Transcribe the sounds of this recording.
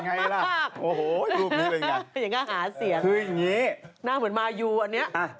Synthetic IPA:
ŋa˧jjla˧˩a˧˩kʔoː˧˩hoː˨˩˧pe˩˧˦nka˧ja˨˩˦ŋkaː˥˩haː˩˦si˨˩˦əŋkʰɯː˧ja˨˩ŋiː˦˥naː˥˩ŋmɯ˩˦ənmaː˧juː˧ʔa˧nːi˦˥ɐʔʔa˧˩

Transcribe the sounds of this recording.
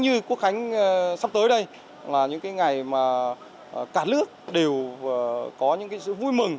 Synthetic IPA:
ɲɨ˧ku˧˦˥ək̚xa˨˦jŋ̟ː˧sa˧w̚t̪əː˨˦jɗə˧j | laː˨˩ɲɨ̰˧˥ŋkaː˨˦jŋa˨˩jmaː˨˩˨ | kaː˧˩lɨ˦˥ək̚ɗe˨˩w | kɔ˨˦ɲɨ̰˧˥ŋkaː˨˦jsɨ̰˧˨vu˧jmɨ˨˩ŋ

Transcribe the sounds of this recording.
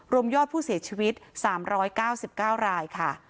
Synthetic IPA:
ɾu˧əmjɔː˥˩t̪̚pʰuː˥˩si˨˩˦t͡ɕʰiː˧wi˦˥t̪̚saː˩˦mɾɔː˦˥jkaː˥˩wsi˨˩p̚kaː˥˩wɾaː˧jkʰa˥˩

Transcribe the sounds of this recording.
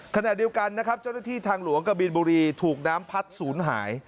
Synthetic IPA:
kʰa˧na˨˩ʔdi˧əwka˧nːa˦˥kʰɾa˦˥p̚t͡ɕa˥˩wna˥t̪ʰiː˥˩t̪ʰaː˧ŋlu˨˩˦əŋka˧biː˧nbuː˧ɾiː˧t̪ʰuː˨˩k̚naː˦˥mpʰa˦˥t̪̚suː˩˦nɦa̰ː˩˦j

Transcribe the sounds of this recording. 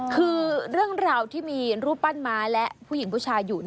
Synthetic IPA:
kʰɯː˧ɾɯ˥˩əŋɾaː˧wt̪ʰiː˥˩miː˧ɾuː˦˥pa˥˩nmaː˦˥lɛ˦˥ʔpʰuː˥˩ji˩˦ŋpʰu˥˩t͡ɕʰaː˧juː˨˩n˥

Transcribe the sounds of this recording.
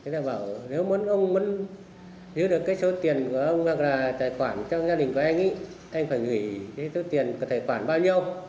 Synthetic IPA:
e˨˦laː˧˩ɓaː˧˩wne˨˦wmə˨˦nʔə˧wŋ͡mmə˨˦n | zɨ˨˧˦ɗɨ˨˩kːaː˨˦jso˨˦˥t̪i˨˩ənku˧˩əʔə˧wŋ͡mha˨˩k̚laː˨˩t̪aː˧˨˩jxwaː˧˩nt͡ɕɔ˧ŋzaː˧ɗï˨˩ŋ̟ku˧˩ʔa˧ŋʔḭ˧˥ | ʔa˧jŋ̟faː˧˩jŋɨ˧˩kaː˨˦jso˨˦t̪i˨˩ənkɔ˧˩t̪ʰe˧˩xwaː˧˩nɓaː˧wɲi˧əw

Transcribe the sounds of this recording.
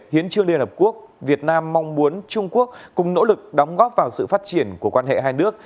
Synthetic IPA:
hi˨˦ənt͡ɕɨ˧əŋli˧ənhə˨˩p̚ku˦˥ək̚vi˨˩ət̚naː˧mːa˧wŋ͡mmu˨˦ənt͡ɕʊ˧ŋ͡mku˦˥ək̚kʊ˨˩ŋ͡mno̰˧˥lɨ˨˩k̚ɗɔ˨˦wŋ͡mɣɔ˦˥p̚vaː˨˩wsɨ̰˧˨faː˦˥t̚t͡ɕi˧˩ənku˧˩əkwaː˧nhḛ˧˨ɦaː˧jnɨ˦˥ək̚

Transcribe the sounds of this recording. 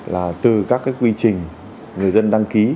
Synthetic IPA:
laː˨˩t̪ɨ˨˩kaː˦˥kːaː˨˦jkwi˧t͡ɕï˨˩ŋ̟ | ŋɨ˨˩əjzə˧nɗa˧ŋki˨˦

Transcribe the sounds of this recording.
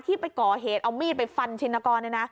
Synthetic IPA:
t̪ʰiː˥˩pa˧jkɔː˨˩ɦeː˨˩˦t̪̚ʔa˧wmiː˥˩t̪̚pa˧jfa˧nt͡ɕʰi˧nːa˧kɔː˧nːa˥˩na˦˥

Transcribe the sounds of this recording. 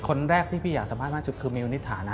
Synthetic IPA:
kʰo˧nɾɛː˥˩k̪̚ʰiː˥˩pʰiː˥˩jaː˨˩k̚sa˨˦pa˥˩t̪̚a˥˩t͡ɕu˨˩t̪̚kʰɯː˧mi˧wni˦˥t̪ʰːaː˩˦nʔa˧˦˥

